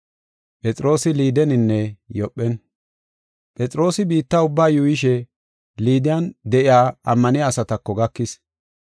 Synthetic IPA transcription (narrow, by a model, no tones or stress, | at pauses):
pʼɛt͡sʼɾo̞ːsɪliːd̪ɛnɪnːɛjɔpʼːɛn | pʼɛt͡sʼɾo̞ːsɪbiːt̪ːaʊbːaːjʊɪʃ̬ɛ | liːd̪ɪjɐnd̪ɛʔɪaːɐmːɐnɪaːsɐt̪ɐkːɔɡɐkːɪs